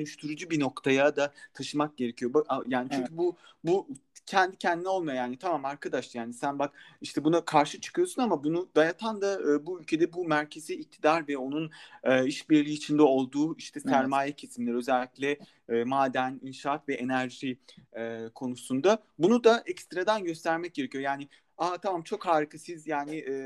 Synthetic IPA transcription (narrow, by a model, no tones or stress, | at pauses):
ønyʃt̪ʰyɾud͡ʒubino̞kt̪ʰajad̪at̪ʰaʃɯmak̚ɟe̞ɾe̞cʰijobjaːnit͡ʃʰyɲcʰybu | bucʰɛnd̪icʰɛnd̪inɛo̞lˠmajojaːnit̪ʰamaːmaɾkʰad̪aʃlˠjaːnisænbakiʃt̪ʰɛbunakʰaɾʃɯt͡ʃʰɯ̥kʰɯjo̞sunamabunud̪ajat̪ʰand̪aːbuylʲcʰe̞d̪ɛbumæɾcʰe̞ziːc̚t̪ʰid̪aɾvɛo̞nunɯiʃbiɾlʲiːt͡ʃʰind̪ɛo̞lˠd̪uːiʃt̪ʰɛsæɾmaːjɛcʰesimlʲeɾiø̞zɛlʲːiclʲɛ | maːd̪æninʃaat̪vɛʔenæɾʒiɛːkʰo̞nusund̪abunud̪aʔɛcst̪ɾad̪anɟø̞st̪ʰæɾmɛc̚ɟ̥ʲe̞ɾecʰijo̞jaːnɪ | at̪ʰamamt͡ʃʰo̞khaːɾɯkʰasizjaːnɪʔ